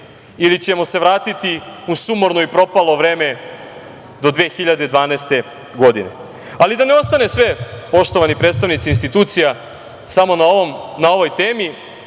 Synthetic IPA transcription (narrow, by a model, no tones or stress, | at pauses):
ilit͡ɕe̞mo̞se̞ʋɾaːt̪it̪iusumoɾnoipɾo̞palˠo̞ʋɾe̞ːme̞ | d̪o̞d̪ʋe̞ːxiʎad̪ed̪ʋaːneːst̪e̞ | ɡo̞d̪inḛ | alid̪aneo̞st̪anesʋepo̞ʃt̪oʋanipɾeːt̪st̪aʋnit̪sinst̪it̪uːt̪sija | samo̞nnao̞ʋo̞jt̪eːmi